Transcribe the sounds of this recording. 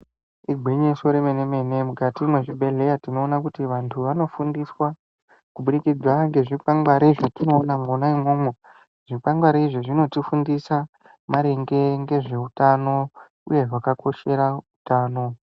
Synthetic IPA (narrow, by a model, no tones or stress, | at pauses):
iɡʱiɲeso̞ɾemeneme̞ne̞mukatimwe̞ʐibʱe̞ɮe̞jatino̞ːnakutiʋantʰuʋano̞fundiswa | kuɓunikid͡zwaŋɡe̞ʐipaŋɡwaɾeiʐotino̞ːnamonaimo̞ːmwe | ʐ̥ipaŋɡwaɾaiʐoʐino̞tifundisa | maɾeŋɡe̞ŋɡe̞ʐe̞utano̞ | ṵje̞ʐakako̞ʃe̞ɾautaːno̞